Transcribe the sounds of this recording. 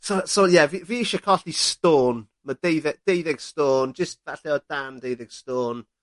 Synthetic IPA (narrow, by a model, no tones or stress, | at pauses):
sosojɛviviːɪʃɔkʰɔɬistoːn | mədejðɛɡ̚d̥ejðɪɡ̥stoːnd͡ʒəst̚vaɬɛɔdamdejðɪɡ̥stoːn